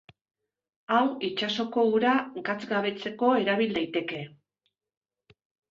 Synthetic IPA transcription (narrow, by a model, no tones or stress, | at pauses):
awit͡ʃaso̞ko̞uɾaɡat͡sɡaβe̞t͡se̞ko̞e̞ɾaβ̞ild̪ajt̪e̞ke̞